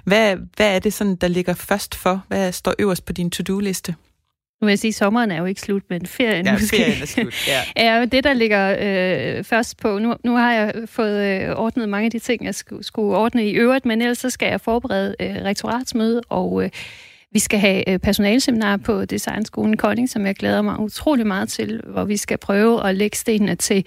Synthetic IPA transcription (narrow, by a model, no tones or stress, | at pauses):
ʋæʋæːɐd̥e̝sɒ̽nn̩d̥ɑ̈le̝ɡ̥ɐfɶɐsd̥fɒʋæsd̥ɒ̰ːʔøʊ̰ɐsd̥pʰɒ̽d̥int͡sʰud̥ule̝sd̥ə | nuʋe̝jasiːsɒ̽mʁɐn̩æɐjo̝e̝ɡ̥ə̥slud̥menfe̝ɐ̰jənosɡ̥e̝ː | jæmend̥e̝d̥ɑ̈le̝ɡ̥ɐøfɶɐsd̥̚pʰɒ̽nunuhɑ̈jɑ̈ɪfɔ̽ːð̞̩ˠɒːd̥nəð̞̩ˠmɑ̈ŋæd̥it͡sʰe̝ŋ̰jɑ̈ɪssɡ̥uɒːd̥nəiʔøʊʁid̥menel̰ɐsɒ̽sɡ̥æjɑ̈ɪfɒːb̥eʁɛ̰ːð̞ˠəøʁɛɡ̥̚t͡sʰo̝ʁɑ̰̈ːd̥smøːð̞ˠəʔɒʊø | ʋisɡ̥æɦæpʰæɐso̝nɛːlseminɑ̰̈ːpʰɒ̽d̥isɑ̈ɪnsɡ̥o̝ːln̩kʰɒ̽ne̝ŋsɒ̽mjɑ̈ɪɡ̥leːð̞ˠɐmɑ̈ɪut͡sʰʁo̝̰ːlimɑ̈ːð̞̩ˠt͡sʰe̝lʋɒʋisɡ̥æpʰʁœːʊəʔɒ̽leɡ̥ə̥sd̥e̝̰ːnnət͡sʰe̝l